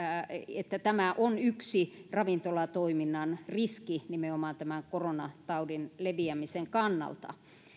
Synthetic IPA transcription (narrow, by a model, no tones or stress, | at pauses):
et̪ːæt̪æmæʔonyksirɑʋint̪olɑt̪oiminːɑnriskinimeomɑːnt̪æmæŋkoronɑt̪ɑudinleʋiæmiseŋkɑnːɑ̰lt̪ɑ̰